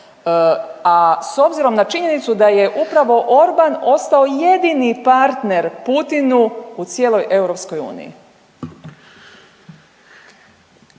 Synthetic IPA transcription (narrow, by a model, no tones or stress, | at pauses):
aso̞bziɾo̞mnat͡ʃiɲe̞nit̪sud̪aje̞ʔupɾaʋo̞ʔo̞ɾbano̞st̪ao̞je̞d̪inipaɾt̪ne̞ɾput̪inuut̪sje̞ːlo̞jʔe̞wɾo̞pskojṵːnḭjḭ